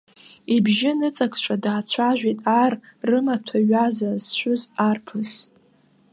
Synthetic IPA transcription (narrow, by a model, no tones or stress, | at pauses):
ibʒɪnɨt͡sʼakʰʼt͡ʃʷʰadaːt͡ɕʷʰaʒᶣitʼarːɨmatʷʰaɥazazʃʷᶣʊzarpʰɨz